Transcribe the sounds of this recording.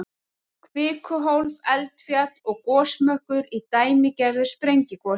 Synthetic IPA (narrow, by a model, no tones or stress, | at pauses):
kʰvɪːkʰʏɦowlvɛlt̪fjat̪ɔɣkɔːsmœhkʏɾit̪aːjmɪcɛðʏ̥spɾejɲcɪkɔ